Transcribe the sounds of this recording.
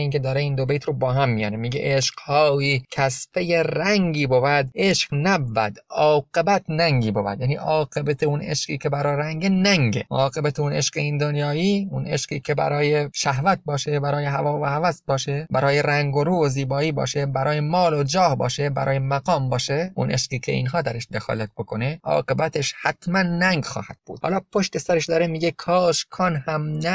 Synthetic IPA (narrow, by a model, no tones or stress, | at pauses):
iːnkʰe̞d̪ɒːɾeiːnd̪obejt̪ʰɾobɒːɦæmːijɒ̰ːnemiːɡḛʔeʃqhɒːiːcʰæsfejeɾæŋɡiːbobæd̪eʃqnæbvæ̰d̪ɒːɡ̥e̞bæt̪ʰnæŋɟiːbobæ̰d̪jæːniːʔɒːɡe̞bæt̪ʰeunḛʃqḭːcʰebæɾɒːɾæŋɟenæŋɟḛɒːqe̞bæt̪ʰeuneʃqeind̪onjɒːjiːunʔe̞̰ʃqiːkʰe̞bæ̰ɾɒːjeʃæhvæt̪̚bɒːʃebæɾɒːjeɦævɒːvohævæsbɒːʃebæɾɒːjeɾæŋɡoɾuːoziːbɒːiːbɒ̰ːʃebæɾʔɒːjemɒːlod͡ʒɒːhbɒ̰ːʃebæɾɒ̰ːjemæɡɒːmbɒːʃeʔṵnʔeʃqiːkʰḛḭːnɦɒːd̪æɾeʃd̪e̞xɒ̰ːlæt̪̚bo̞kʰo̞neʔɒ̰ːɢe̞bæt̪ʰeʃhæt̪ʰmænːæŋɡxɒ̰ːhæd̪̥̚b̥ṵːd̪hɒ̰ːlɒːpʰoʃt̪e̞sæɾeʃd̪ɒːɾemiːɡekʰɒːʃkʰɒːnhæmnæ